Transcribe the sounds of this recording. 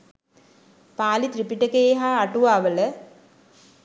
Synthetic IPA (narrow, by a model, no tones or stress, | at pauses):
paːlit̪ɾipiʈəkejɦaːʈuʋaːʋələ